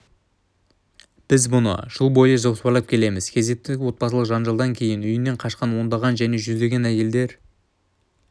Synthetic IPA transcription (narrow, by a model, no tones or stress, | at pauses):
b̥ɪzbʊnə̰ʒ̥əlˠbo̞jəʒowspɑɾlˠɑp̚kʲʰe̞le̞mɪzkʲʰe̞ze̞p̚t̪ːɪkwo̞t̪̚bɑsəlˠəqʒɑnʒəlˠd̪ɑŋkʲʰe̞jɪnʏjɪnːeɴqʰɑʃqɑnwo̞nd̪ɑʁɑnʒæne̞ʒʏzd̪e̞ɡʲe̞næje̞ld̪e̞ɾ